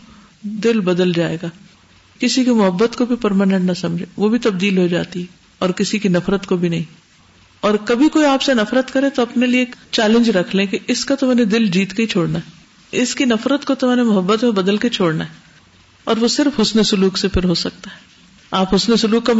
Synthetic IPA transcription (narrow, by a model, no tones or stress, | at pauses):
d̪ɪlbɐd̪əld͡ʒaːḛːɡaː | kɪsikimʊɦəbːət̪kobʱipɐɾmaːnə̃ɳʈnɐsɐ̃md͡ʒʱeʋobʱit̪ɐb̚d̪iːlɦod͡ʒa̰ːt̪iɦɛ | ɔːɾkɪsikinɐfɾət̪kobʱinɐɦĩ | ɔːɾkɐbʱikoːiaːpsenɐfɾət̪kɐɾẽt̪oɐpnelieːkt͡ʃɛːlɪ̃ɲd͡ʒɾɐkʰlẽkiʔɪskat̪omɛːned̪ɪld͡ʒiːt̪keit͡ʃʰoːɽnaɦɛ | ɪskinɐfɾət̪kot̪omɛːnemʊɦəbːət̪mẽbɐd̪əlket͡ʃʰoːɽnaɦɛ | ɔːɾʋosɪɾfɦʊsnesʊluːksepʰɪɾɦosɐk̚t̪aɦɛː | aːpɦʊsnesʊluːkːa